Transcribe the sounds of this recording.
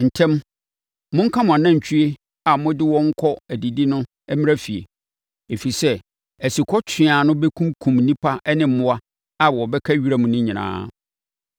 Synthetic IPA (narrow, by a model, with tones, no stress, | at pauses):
n̩˨tʰɛ̃˦m | mʊ̃˦ŋ̩˦kʰã˦mʊ̃˨a˨nã˦˨ɲ̩˨t͡ɕʰᶣi˦e˦ | a˨mʊ̃˦dɪ˦wɔ̃˦ŋ̩˦kʰɔ˦æ˨di˨di˦nʊ̃˦ | ɛ˦mɪ̃˦a˦fi˨ḛ˨ | e˨fi˨sɛ˦ | æ˨si˨kʰɔ˦t͡ɕʰɪ˨a˨nʊ̃˦bɛ˦kʰũ˦mkʰũ˨mnĩ˦pʰa˦ʔɛ˦nɪ̃˨m̩˦mʊ̃˦a˦ | a˨wɔ˨bɛ˦kʰa˦ɥi˦ɾa˦mũ˨nʊ̃˦ɲĩ˨nã̰ː˦